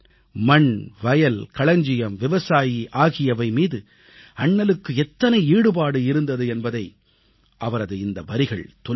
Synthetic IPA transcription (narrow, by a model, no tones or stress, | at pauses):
mɐɳʋɐjɐlkɐɭɐɲd͡ʒɪjɐmʋɪʋɐsaːjiʔaːɣɪjɐʋɐɪmiːðɯ | ɐɳːɐlɯkːɯɛt̪ːɐnɐɪiːɽɯpaːɽɯɪɾɯnd̪ɐðɯɛnbɐðɐɪ | ʔɐʋɐɾɐðɯɪnd̪ɐʋɐɾɪɣɐɭt̪ɔ